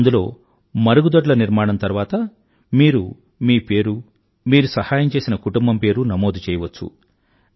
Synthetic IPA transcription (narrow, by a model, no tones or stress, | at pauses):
nd̪ulo̞ː | mɐɾuɡud̪ɐʈ̬lɐniɾmaːɽɐnt̪ɐɾuʋaːt̪ɐ | miːɾu | miːpeːɾu | miːɾusɐhaːjɐmt͡ʃe̞ːsinɐkuʈumbɐmpe̞ːɾunɐmo̞ːd̪ut͡ʃɛːjɐʋɐt͡ʃːṵ